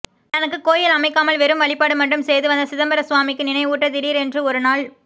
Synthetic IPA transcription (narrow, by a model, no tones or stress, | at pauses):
t̪ɐnɐk̬ːɯkoːjɪlɐmɐɪkːaːmɐɭʋɛɾɯmʋɐɭɪpːaːɽɯmɐɳɖɯmsɛjðɯʋɐnd̪ɐsɪðɐmbɐɾɐsʊʋaːmɪkːɯnɪnɐɪuːʈːɐt̪ɪɾiːɾɛndrɯɔɾɯnaːɭ